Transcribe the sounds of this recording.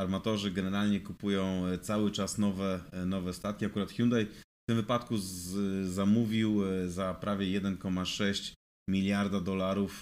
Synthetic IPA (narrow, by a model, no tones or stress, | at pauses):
aɾmat̪ɔʐɘɡɛnɛɾalɲɛkupujɔ̃w̃t̪sawɘt͡ʂasnɔvɛnɔvɛst̪at̪̚kʲiakuɾat̪xʲjund̪ajft̪ɘmvɘpat̪ku | zamuvʲiwzapɾʔavʲjɛjɛd̪ɛnkɔmaʂɛɕt͡ɕ | mʲilʲjaɾd̪ad̪ɔlaɾuf